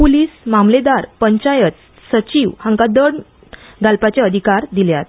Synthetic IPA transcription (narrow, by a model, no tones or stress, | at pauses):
puliːsmamled̪aɾpəɲt͡ɕajət͡s | sət͡ɕiʋhãŋkad̪əɳ | ɡalpat͡ɕeəd̪ʱikaɾd̪iljat̪̚